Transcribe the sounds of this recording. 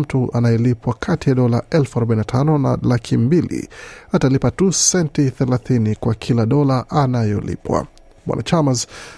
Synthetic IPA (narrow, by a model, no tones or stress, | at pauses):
m̩tuanajɛlipwakʰatijaɗɔlaʔɛlfuaɾɔɓainatʰanɔna̰lakʰimbilḭatalipatusɛntiθɛlaθinikwakʰilaɗɔlaʔanajɔlḭpwa̰ | mwa̰na̰t͡ʃamaz